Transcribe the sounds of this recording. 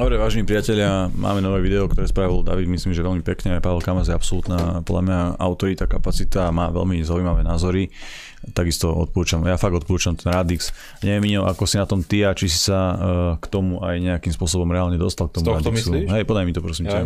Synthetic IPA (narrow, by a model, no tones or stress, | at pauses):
d̪ɔbɾɛʋaːʒɛnipɾiɪacɛʎɪamʔa̰ːmɛnɔʋɛːʋid̪ɛɔkt̪ɔɾɛːspɾaːʋilɔd̪a̰ʋid̪misliːmʒɛʋɛlmipɛkɲɛajpaʋɛlkamazjɛapsɔlut̪naːpɔd̪lamɲaa̰ʊt̪ɔɾit̪akapat͡sit̪aːmaːʋɛ̰lmizaujmaʋɛːnaːzɔɾi | t̪aɡist̪ɔɔ̰t̪pɔɾuːt͡ʃamjafaɡɔt̪pɔɾuːt͡ʃamt̪ɛnɾad̪iks | ɲɛʋjɛmiɲɔʔa̰kɔsinat̪ɔmt̪iat͡ʃisi̥sakt̪ɔmuʔajɲɛakimspʊɔsɔbɔmɾɛaːlɲɛd̪ɔst̪alk̚t̪ɔmuɾad̪kuɦɛjpɔd̪ajmit̪ɔpɾɔsimɛ